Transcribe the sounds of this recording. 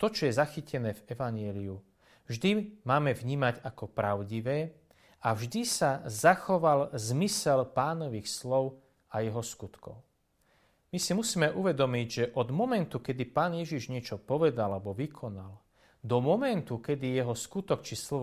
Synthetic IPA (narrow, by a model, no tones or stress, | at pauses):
t̪ɔt͡ʃɔjɛzaxicɛnɛːvɛʋaɲjɛliu | vʒd̪imaːmɛvɲiːmaɟakɔpɾaʊɟiʋɛː | avʒd̪isazaxɔʋalzmisɛlpaːnɔʋiːxslɔʊ | ajɛɦɔskut̪kɔ̰ʊ | misimusiːmɛʔuʋɛd̪ɔmiɟʒɛʔɔd̪mɔmɛnt̪ukɛd̪ipaːnjɛʒiʒɲɪɛt͡ʃɔpɔʋɛd̪alabɔʋikʰɔnal | d̪ɔmɔmɛnt̪ukɛd̪ijɛɦɔskut̪ɔkt͡ʃislɔ